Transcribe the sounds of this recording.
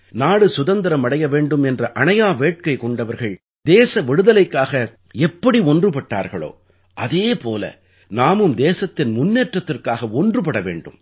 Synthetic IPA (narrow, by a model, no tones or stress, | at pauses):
naːɽɯsʊðɐnd̪ɐɾɐmɐɽɐjɐʋeːɳɖɯmɛndrɐʔɐɳɐjaːʋeːʈ̚kɐɪkɔɳɖɐʋɐɾɣɐɭ | d̪eːsɐʋɛɽɯðɐlɐɪkːaːɣɐ | ɛpːɐɽiɔndrɯpɐʈːa̰ːɾɣɐɭo̰ː | ʔɐðeːpoːlɐ̰ | naːmɯmd̪eːsɐt̪ːɪnmʊnːeːʈrɐt̪ːɪrkaːɣɐɔndrɯpɐɽɐʋḛːɳɖɯm